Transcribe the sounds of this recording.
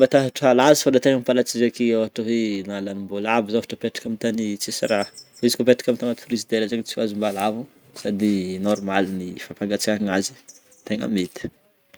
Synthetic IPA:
mbat̪aɦaʈ͡ʂəalazi̥fad̪at̪eŋəmipalat͡sizakiaaʈ͡ʂəɦenalanimbolavizafaʈ͡ʂəpeʈ͡ʂi̥kamit̪anit͡sesaɾaizi̥kopeʈ͡ʂi̥kamit̪anat̪uɾizid̪eɾazaɲit͡siwazumbalavu | sad̪inɔɾmalinifapaŋɡat͡sikaiŋazi̥ | t̪eŋə̰met̪i̥

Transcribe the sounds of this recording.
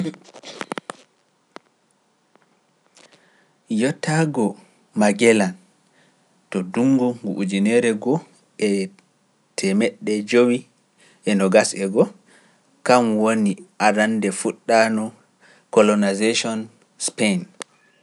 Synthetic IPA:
jɔtːaɡɔ | maɡɛlan | tɔduŋɡuŋɡuʔud͡ʒinɛɾɛɡɔ | ɛ | tʰɛmɛɗːɛd͡ʒowi | ʔɛnɔɡasɛɡɔ | kamwoniʔaɾandɛfuɗːanɔ | kɔlɔnazeʃɔn | spen

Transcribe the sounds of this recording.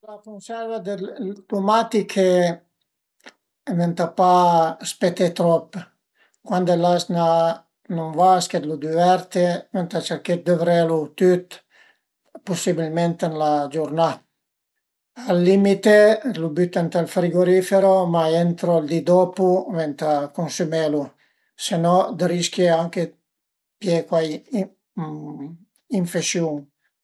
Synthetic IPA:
lakonsɛɾvad̪elt̪umat̪ikʰe | nent̪apaspet̪et̪ɾɔpː | kwand̪elasna | nonvasked̪lud̪ivɛɾt̪ement̪at͡ʃaket̪̚d̪øvɾelut̪yt̪ | pusibilment̪enlad͡ʒuɾna | alːimit̪elubyt̪ɛnt̪alfɾiɡoɾifeɾomaent̪ɾold̪id̪opuvent̪akonsumelu | senɔd̪əɾiskjeaŋke | pjekwaj | iɱfeʃjuŋ

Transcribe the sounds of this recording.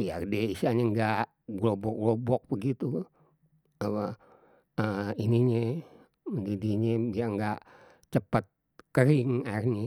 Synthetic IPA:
jadɛisiaɲeŋɡaʔ | ɡlobɔk̚ɡlobɔk̚bəɡit̪u | apa | əiniɲe | ɡidiɲebiaŋɡaʔ | t͡ʃəpət̪̚ | kəɾiŋarɲe

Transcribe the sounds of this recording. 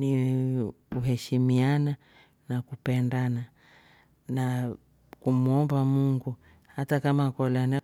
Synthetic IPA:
ni | kuɦɛʃimiana | nakupɛndana | na | kumuɔmbamuŋɡu | hatakamakɔlana

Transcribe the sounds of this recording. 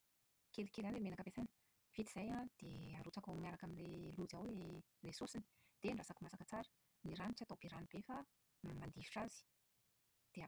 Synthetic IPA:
kelikelʲanlemenakəbesajnə̥ | v̥it̪i̥z̥ajad̪̥eaɾut͡sakawmiaɾakaminlelud͡zawle | lesosini̥d̪̥eɳɖ͡ʐasakumasakət͡saɾə̥ | niɾaniʈ͡ʂiat̪awb̥eɾanib̥efa | mand̪ivi̥ʈ͡ʂazi̥ | d̪̥e

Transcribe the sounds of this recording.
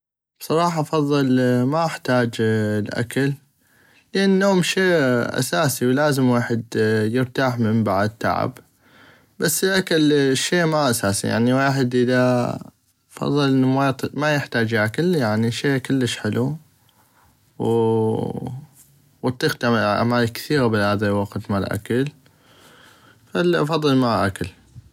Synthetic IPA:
b̥sˤɑɾˤɑːħɑʔɑfɑðˤːɨlmaʔɪħt̪aːd͡ʒlʔa̰kal | lʔanːoːmʃeːʔa̰saːsiwlaːzəmwaːħɪd̪jəɾt̪aːħməmbaʕd̪̚t̪ːa̰ʕa̰b | basːəlʔakalʃːeːmaʔasaːsḭja̰ʕniweːħɪd̪ʔəða | fɑ̰ðˤːɨlʔɪnːmat̪majəħt̪aːd͡ʒʔakaljaʕniʃeːʔkʊlːəʃħɪlu | w | wɑt̪ˤːiːqt̪aʔa̰maːlikθiːɣabɪlhaːðalwɑqt̪malʔa̰kal | falʔɑ̰fɑðˤːɨlmaʔa̰kal

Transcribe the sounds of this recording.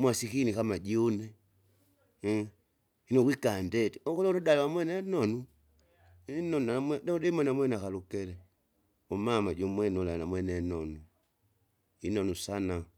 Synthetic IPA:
mwasikinikamad͡ʒiunɛ | inɔwikandɛtiɔkɔlɔɾɔdaliwamwɛnɛnɔnu | inɔnamɛdɛudɛmanamwɛnakalukɛlɛ | ɔmamad͡ʒɔmwɛnɔlanamwɛnɛnɔnu | inɔnusana

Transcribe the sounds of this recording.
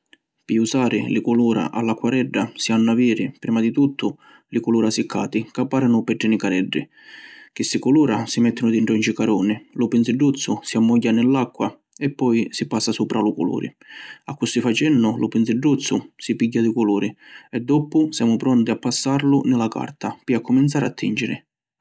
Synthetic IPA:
piusaːɾɪlɪkuluːɾa̰ʔa̰lːakːwaɾɛɖːasianːaviːɾɪpɾiːmad̪it̪ut̪ʰːʊ | lɪkʊluːɾasikʰːa̰ːt̪ikapːaːɾanʊpɛɖːɪnɪkaɾɛɖːḭ | k̟ɪsːikuluːɾasimɛt̪ːɪnʊd̪iɳʈɾɔnt͡ʃikaɾɔːnɪlʊpɪnsɪɖːut̪sːʊsiamːɔɟːanɪlːakːwa | ɛpːɔjsipasːasuːpɾalʊkʊ̰lṵːɾḭ | akːust̪ifat͡ʃɛnːʊlʊpɪnsɪɖːut̪sːʊsipiɟːad̪ikʊluːɾiɛd̪ːɔpʊsjaːmʊpɾɔnt̪iapːasːaɾlʊnɪlaka̰rt̪apiakʰːʊmint̪saːɾat̪ːḭnd͡ʒɪɾɪ̰

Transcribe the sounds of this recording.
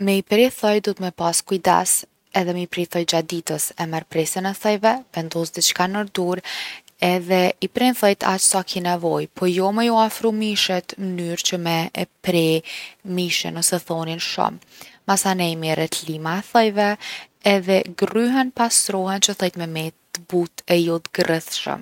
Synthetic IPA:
mɛipɾɛθɔjd̪ɔt̪mɛpaskuid̪a̰s | ɛðɛmɛipɾɛθɔjd͡ʑad̪it̪əsɛmaɾpɾɛsənɛθəjvɛvɛnd̪ɔsd̪it͡ʃkanəɾd̪uɾ | ɛðɛipɾɛnθɔjt̪ʰa̰t͡ʃsakʰinɛvɔjpʰɔjɔmɛjɔafɾumiʃɛt̪mənyɾt͡ɕəmɛpɾɛmiʃə̰nɔsɛθɔninʃɔ̰mː | asanɛjmɛɾɛt̪limaɛθəjvɛ | ɛðɛɡryɦɛnpast̪ɾɔɦɛnt͡ʃəθɔjt̪mɛmɛt̪ːəbut̪ɛjɔt̪ɡrəθʃə̰m

